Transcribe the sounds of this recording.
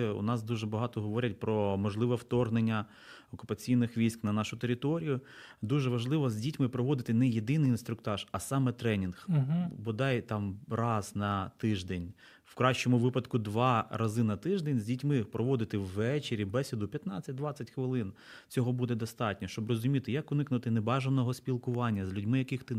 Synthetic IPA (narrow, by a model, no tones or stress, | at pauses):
ʊ̰nɑsd̪uʒɛbɐɦɑt̪ɔɦɔʋɔɾʲɐt̚ʲpɾɔmɔʒlˠɪʋɛwt̪ɔrɦnenʲːɐ | ɔkʊpɐt͡sʲijnɪxʋʲijsʲknɐnɑʃʊt̪eɾɪt̪ɔɾʲijʊd̪uʒɛʋɐʒlˠɪʋɔzʲdʲitʲmɪpɾɔʋɔd̪ɪt̪ɪnɛjed̪ɪnɪjinst̪ɾʊkt̪ɑʒɐsɑmɛt̪ɾɛnʲinxbʊd̪ɑjt̪ɑmrɑznɐt̪ɪʒd̪ɛnʲ | wkɾɑʃt͡ʃɔmʊʋɪpɐd̪kʊd̪ʋɑɾɐzɪnɐt̪ɪʒd̪ɛnʲzʲdʲitʲmɪpɾɔʋɔd̪ɪt̪ɪwːɛt͡ʃeɾʲibɛsʲɪd̪ʊpʲjɐt̪nɑt͡sʲːɐt̚ʲd̪ʋɑt͡sʲɐtʲxʋɪlˠɪn | t͡sʲɔɦɔbud̪ɛd̪ɔst̪ɑtʲnʲɔʃt͡ʃɔbrɔzʊmʲit̪ɪjɐkʊnɪknʊt̪ɪnebɑʒɐnɔɦɔspʲilˠkʊʋɑnʲːɐzlʲʊdʲmɪjɐkɪxt̪ɪ